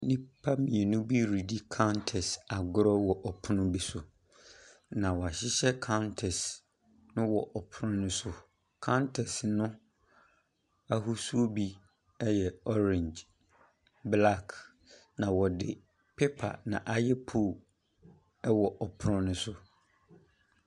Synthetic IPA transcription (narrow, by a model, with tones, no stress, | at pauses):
nĩ˦pʰa˦mĩ˨ɛ˨nʊ̃˦bi˦ɾi˨di˦kʰa˦ʊ˦ntʰɛ˨sa˨ɡʊ˦ɾɔ˦wɔ˨ʔɔ˨pʰʊ˦nʊ̃˦bi˦sʊ˨ | nã˨wɔ˨a˨ɕɪ˦ɕɛ˦kʰa˦ʊ˦ntʰɛ˨s | nʊ̃˦wɔ˨ʔɔ˨pʰʊ˦ɾʊ̃˦nʊ̃˦sʊ˦˨ | kʰã˦ntʰɛ˨snʊ̃˦ | a˦ɦu˦su˦o˦bi˦ | ɛ˦jɛ˨ɔ˦ɾɛ̃˨ɲd͡ʒ | bla˦˨kʰ | nã˨wɔ˨dɪ˨ | pʰe˦pʰa̰˨nã̰˨ʔa˦jɛ˦pʰo˦˨ | ɛ˦wɔ˨ʔɔ˨pʰʊ˦ɾʊ̃˦nʊ̃˨˦sʊ˦